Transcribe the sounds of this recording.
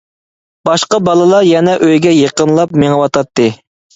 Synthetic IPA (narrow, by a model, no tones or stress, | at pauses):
b̥ɑʃqɑbɑlˠɨlˠɑɾjɛnɛʔøjɡʲɛjeqənlˠɑp̚meŋəwɑt̪ʰɑt̪ʰːɨ